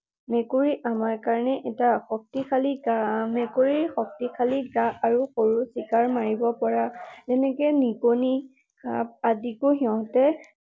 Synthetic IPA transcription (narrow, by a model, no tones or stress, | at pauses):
mɛkoɹiʔamaɹkaɹnɛʔɛtaxɔk̚tikʰaliamɛkoɹiɹxɔk̚tikʰaliɡaaɹuxoɹusikaɹmaɹibɔpɔɹatɛnɛkɛnikoni | kap̚adikoɦiɔtɛ